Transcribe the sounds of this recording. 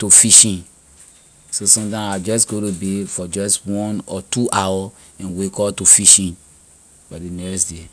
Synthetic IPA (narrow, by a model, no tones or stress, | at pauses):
tofiʃĩn | sosɔ̃mtãad͡ʒɔsɡoɾubefɔd͡ʒɔstwɔ̃nɔtuʔawɔ | ɛ̃nwekɔtofiʃĩn | fadinɛksde